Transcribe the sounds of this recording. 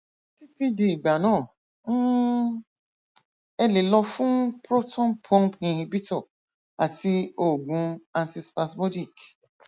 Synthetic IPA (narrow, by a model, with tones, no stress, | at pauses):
ti˦fi˦de˧i˨ɡ͡ba˨nãː˦˨ | n̩˦ | ɛ˧le˨˦lɔ˧fũ˦pɾo˦tɔ̃˦npʰɔ̃˦npĩ˧ɾĩ˧bi˦tɔ˦˨ | a˨ti˧o˦˨ɡũ˧ã˧nti˧spa˧smo˦di˦˨k